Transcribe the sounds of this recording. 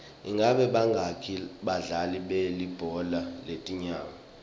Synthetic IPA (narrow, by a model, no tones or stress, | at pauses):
iŋɡʱaɓɛɓaŋɡʱakʰiɓaɮaliɓelib̥ʱɔlaletʼiɲaːma